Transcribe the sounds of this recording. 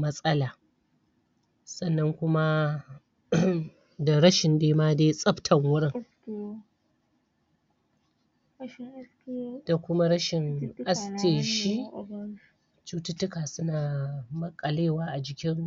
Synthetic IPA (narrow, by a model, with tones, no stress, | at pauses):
mɐ˦sʼɐ˦laː˨ | sɐ˦˨nːɐ˦ŋkʷʊ˦ma˦ | da˨ɾɐ˦ʃɪ˨ndeː˦maː˦deː˦sʼɐ˦ɸtʰɐ˨ŋwʊ˦ɽɪ˦˨ŋ | da˨kʷʊ˦ma˦ɾɐ˦ʃɪ˨ŋʔa˦stʰeː˨ʃi˦ | t͡ʃuː˦tʊ˦tːʊ˦kaː˨sʊ˦naː˨mɐ˦kʼːɐ˨leː˦˨waː˦ʔa˨d͡ʒɪ˨kʲɪ˦ŋ